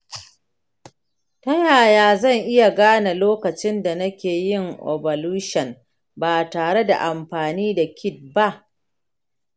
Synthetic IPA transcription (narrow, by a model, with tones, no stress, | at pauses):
tɐ˦jaː˨jaː˨zɐ˦˨ŋʔɪ˦ja˨ɡaː˦na˨loː˦kɐ˨t͡ʃɪ˦nda˨nɐ˦kʲeː˨jɪ˦˨ŋʔɔ̰˨bɔ˨luː˦ʃɐ˨n | baː˨taː˨ɽe˦da̰˨ʔa˨mɸaː˨niː˦da˨kʲɪ˦t̚ba˦ʔ